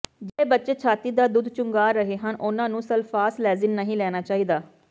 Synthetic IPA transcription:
d͡ʒɛebətːt͡ʃeːt͡ʃʰaːt̪iːd̪aːd̪ʊd̪t͡ʃʊŋɡaːɾəɦeːɦənʔʊnãːnũːsəlfʰaːslɛːzɪnːəɦĩːlɛːnaːt͡ʃaːɦiːd̪aː

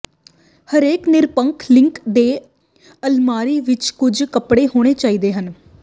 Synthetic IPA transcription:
həɾeːknɪɾpəŋkʰlɪ̃ŋkd̪eː | əlmaːɾiːʋɪt͡ʃkʊd͡ʒkəpɽeːɦoːɽ̃eːt͡ʃaːiːd̪eːɦən

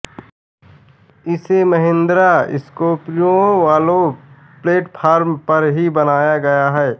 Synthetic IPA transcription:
ɪseməɦɪ̃nd̪ɾaɪ̰skoːpɾjõʋaːlõ | pleːʈpʰaːɾmpɐɾɦibɐnaːjaɡɐjaɦɛː

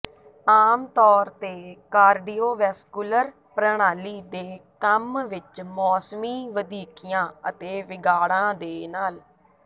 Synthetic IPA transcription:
aːmt̪ɔːɾt̪eːkaːɾɖiːoːʋɛːskuləɾ | pɾəɳ̃aːliːd̪eːkəmʋɪt͡ʃmɔːsmiːʋəd̪iːkijãːət̪eːʋɪɡaːɽãːd̪eːnaːl

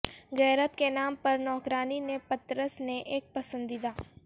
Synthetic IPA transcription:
ɣɛːɾət̪kenaːmpɐɾnɔːkɾaːninepɐt̪ɾəsneʔeːk̚pɐsə̃nd̪id̪aː

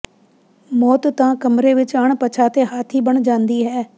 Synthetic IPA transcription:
mɔːt̪t̪ɐãkɐmɾeʋɪt͡ɕaːɽ̃pɐt͡ɕʰat̪eɦaːt̪ʰibɐɽ̃d͡ʒãːnd̪iɦɛː

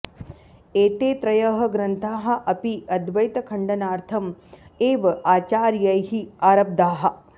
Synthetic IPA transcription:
eːt̪eːt̪ɾɐjɐɦɐ̆ɡɾɐnt̪ʰaːɦɐ̆ʔɐpiɐd̪ʋɐjt̪ɐkʰɐɳɖɐnaːɾt̪ʰɐmeːʋɐaːt͡ʃaːɾjɐjɦiaːɾɐb̚d̪aːɦɐ̆

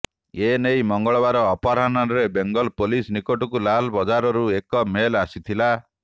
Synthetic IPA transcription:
enejmɔŋɡɔɭɔbaɾɔːpaɾɦananɾebeŋɡɔlpolisnikoʈukulalbɔd͡ʒaɾɔɾuekɔmelasit̪ʰila

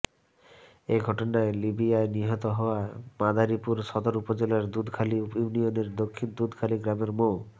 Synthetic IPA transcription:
eɡʱɔʈonaelibiaeniɦɔt̪oɦɔoamad̪ʱaɾipuɾʃɔd̪oɾupod͡ʑelaɾd̪ud̪ʱkʰaliunioneɾd̪okʰːind̪ud̪ʱkʰaliɡɾameɾmo

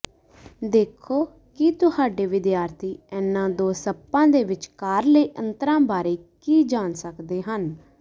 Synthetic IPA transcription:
d̪eːkʰoː | kit̪ʊhaːɖeːʋɪd̪jaːɾt̪ʰiːɛːnːãːd̪oːsəpːãːd̪eːʋɪt͡ʃkaːɾləiːʔə̃nt̪ɾãːbaːɾeːkiːd͡ʒaːnsəkd̪eːɦən

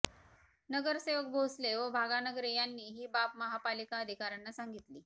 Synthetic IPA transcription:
nəɡəɾseʋək̚bʱosleʋəbʱaɡanəɡɾejanːiːɦiːbapməɦapalikaəd̪ʱikaɾanːasãŋɡit̪liː

